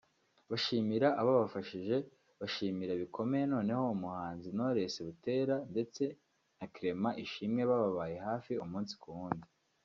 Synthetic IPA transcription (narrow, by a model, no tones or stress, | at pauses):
βaʃiːmiɾaʔaβaβafaʃiʒe̞ | βaʃiːmiɾaβikʰo̞me̞jeno̞ːne̞ho̞umuhaːnzino̞ɾe̞se̞βute̞ːɾande̞t͡se̞ | nakiɾe̞maʔiʃimɲeβaβaβaje̞ɦaːfiumuːnsi̥kuuːndi